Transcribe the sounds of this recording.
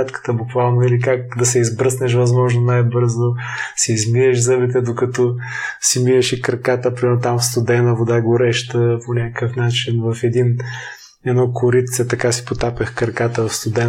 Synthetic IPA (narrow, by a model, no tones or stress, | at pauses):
at̪kə̥t̪əbʊkvalˠnoilikak̚d̪ɐsɛizbɾɤsnɛʃ̬vɐzmɔʒnonajbɤɾzosɛizmiɾɛʃzɤbit̪ɛd̪okɐt̪ɔsimiɾəʃikɾkat̪əpɾimɛɾnot̪amfst̪ʊd̪ɛnəvod̪aɡoɾɛʃt̪əponʲakəkəfnat͡ʃinvɐfɛd̪in | ɛd̪nɔkʰʊɾit̪sɛt̪ɐkasi̥pot̪apəxkəɾkat̪əvɐfst̪ʊd̪ɛn